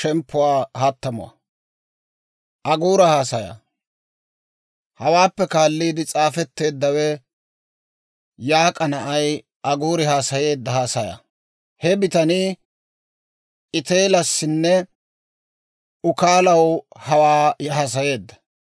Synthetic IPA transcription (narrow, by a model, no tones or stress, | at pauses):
ʃɛmpːʊwaːhɐt̪ːɐmʊ̰wɐ̰ | ʔɐɡuːɾɐhaːsɐja̰ | hɐwaːpːɛkaːlːiːd̪ɪt͡sʼaːfɛt̪ːe̞ːd̪ːɐwɛ | jaːkʼɐnɐʔɐj | ʔɐɡuːɾɪhaːsɐje̞ːd̪ːɐhaːsɐja̰ | hɛbɪt̪ɐni | ʔɪt̪e̞ːlɐsːɪnːɛ | ʔʊkaːlɐwhɐwaːjhaːs̬ɐje̞ːd̪ːɐ̥